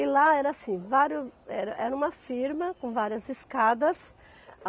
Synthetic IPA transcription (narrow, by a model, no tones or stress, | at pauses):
ɪlaɛɾɐasĩvaɾjʊɛɾɐʔɛɾɐũmɐfiɾmɐkõvaɾjɐzɪskad̪ɐs